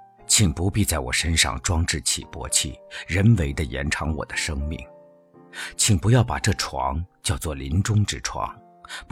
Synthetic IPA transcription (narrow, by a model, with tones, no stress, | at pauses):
t͡ɕʰi˨˩ŋpu˧˥pi˥˧t͡sa˥˩ɪwɔ̰˨˩ʂə˥nʂɑ̰˥˩ŋʈ͡ʂwɑ˥ŋʈ͡ʂɻ̩˥˩t͡ɕʰḭ˨˩pwɔ̰˧˥t͡ɕʰḭ˥˩ɻə˧˥nwe˧˥ɪd̪ə˧jɛ̰˧˥nʈ͡ʂʰɑ˧˥ŋwɔ̰˨˩d̪ə˦ʂɤ˥ŋmi˥˩ŋ | t͡ɕʰi˨˩ŋpu˧˥jɑ˥˩ʊpa̰˨˩ʈ͡ʂɤ˥˩ʈ͡ʂʰwɑ̰˧˥ŋt͡ɕjɑ˥˧ʊt͡swɔ˥˩li˧˥nʈ͡ʂʊ˥ŋʈ͡ʂɻ̩˥˩ʈ͡ʂʰwɑ̰˧˥ŋ | p